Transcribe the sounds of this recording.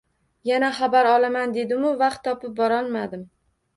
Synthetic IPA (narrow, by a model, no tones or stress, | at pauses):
janaχabaɾɒlˠamand̪e̞d̪ɪmʊvɑqt̪ʰːɒpɪp̚bɒɾɒlˠmad̪ɪm